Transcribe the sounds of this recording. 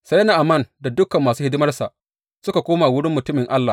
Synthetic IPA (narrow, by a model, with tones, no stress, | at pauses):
sa˦jnaː˨ʔa˨mɐ˦˨nda˨dʊ˦kɐ˨mːaː˨suː˦hɪ˦dɪ˦mɐ˦rsa˨ʔ | sʊ˦ka˨kʷoː˦maː˨wʊ˦ɽɪ˦mːʊ˨tʊ˦mɪ˨ŋʔa˦lːa˨